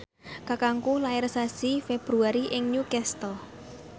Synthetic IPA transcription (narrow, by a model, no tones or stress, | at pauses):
kakaŋkulaɛɾsasifeb̥ɾuaɾiʔɪŋɲukɛst̪ɔ